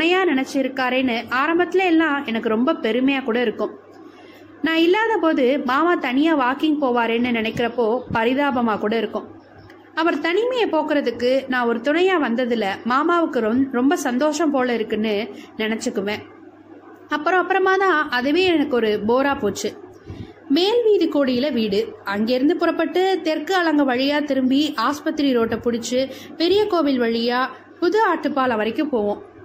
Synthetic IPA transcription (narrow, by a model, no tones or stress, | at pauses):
nɐjaːnɪnɛt͡ʃːɪɪɾɯkːaːɾeːnːɯʔaːɾɐmbɐt̪ːɪlɐɛlːãːɛnɐkːɯɾɔmbɐpɛɾɯmɐjaːkuːɽɐɪɾɯkːʊ̃ | nãːɪlːaːðɐpoːðɯmaːmaːt̪ɐnɪjaːʋaːkɪŋɡ̚poːʋaːɾeːnːɯnɪnɐɪkːɪɾɐpːoːpɐɾɪðaːbɐmaːkuːɽɐɪɾɯkːʊ̃ | ɐʋɐɾt̪ɐnɪmɐjɐpoːkɪɾɐðɯkːɯnãːɔɾɯt̪ʊɳɐjaːʋɐnd̪ɐðɪlɐmaːmaːʋɯkːɯɾɾɔmbɐsɐnd̪oːʂɐmpoːlɐɪɾɯkːɯnːɯnɪnɛt͡ʃːɯkːɯʋẽː | ɐpːɯɾɔ̃ɐpːɯɾɐmaːt̪ãːɐðɯʋeːɛɛnɐkːɯɔɾɯboːɾaːpoːt͡ʃːɯ | meːlʋiːðikːoːɽijɪlɐʋiːɽɯɐŋɡeːɪɾɯnd̪ɯpʊɾɐpːɐʈːɯt̪ɛɾkɯɐɭɐŋɡɐʋɐɻɪjaːt̪ɪɾɯmbiaːspɐt̪ːɪɾiɾoːʈːɐpʊɽɪt͡ʃːɯpɛɾɪjɐkoːʋɪlʋɐɻɪjaː | pʊðɯaːʈːɯpːaːlɐʋɐɾɐɪkːɯ̃poːʋõː